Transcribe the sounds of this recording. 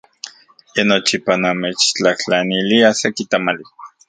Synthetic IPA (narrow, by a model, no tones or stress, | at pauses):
jenot͡ʃipanamet͡ʃt͡ɬaht͡ɬaniliasekit̪amali